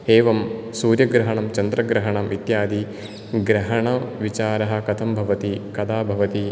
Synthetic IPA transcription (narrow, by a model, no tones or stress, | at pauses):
eːʋɐmsuːɾjɐɡɾɐɦɐɳɐmt͡ʃɐnd̪ɾɐɡɾɐɦɐɳɐmit̪jaːd̪i | ɡɾɐɦɐɳɐʋit͡ʃaːɾɐɦɐ̆kɐt̪ʰɐmbʱɐʋɐt̪ikɐd̪aːbʱɐʋɐt̪i